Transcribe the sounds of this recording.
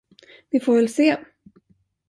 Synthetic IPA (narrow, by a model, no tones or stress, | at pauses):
vɪfoːɾvɛlseː